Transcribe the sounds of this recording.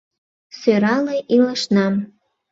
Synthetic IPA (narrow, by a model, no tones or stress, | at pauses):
søɾɑleʔiləʃnɑm